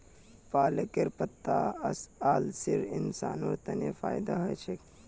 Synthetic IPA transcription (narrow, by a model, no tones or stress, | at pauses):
paːlɐkeɾpɐt̪ːaɐsaːlsiɾinsaːnoɾt̪ɐnefa̰ːjd̪aɦɐt͡ʃʰek